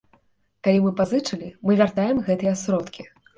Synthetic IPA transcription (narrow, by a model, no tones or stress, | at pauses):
kalʲimɨpazɨt͡ʂɨlʲimɨvʲart̪ajɛmɣɛt̪ɨjɛɐsɾɔt̪kʲi